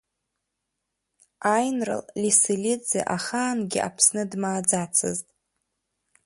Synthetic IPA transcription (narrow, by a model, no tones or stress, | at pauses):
ajnrɨ̰llisilid͡zḛʔaχaːnɡʲɪa̰pʰsnɨdmaːd͡zat͡sʰɨ̰ztʼ